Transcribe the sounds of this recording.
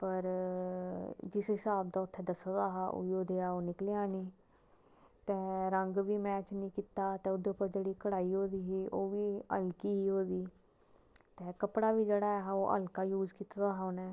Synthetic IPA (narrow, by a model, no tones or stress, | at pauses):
pəɾ | d͡ʒɪsɦɪsaːbd̪aːʊt̪ʰːeːd̪əsod̪aːɦaʔo̰oːd̪eaːoːnɪklejaːniː | t̪ɛ̃ːɾəŋɡʋiːmɛːt͡ʃnĩːkiːt̪aːt̪ẽːʊd̪oːpəɾd͡ʒeːɽiːkəɽaːiːɦoːd̪iːɦiːʔoːʋiːə̰lkiːɦiːɦoːd̪iː | t̪ẽːkəpɽaːʋiːd͡ʒeːɽaːɛɦaːoːʔə̰lkaːjuːd͡ʒkiːt̪ːd̪aːɦanɛː